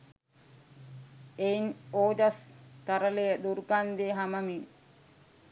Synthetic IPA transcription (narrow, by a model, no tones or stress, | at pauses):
einoːd͡ʒɐst̪aɾəlejəd̪uɾukand̪eɦaməmin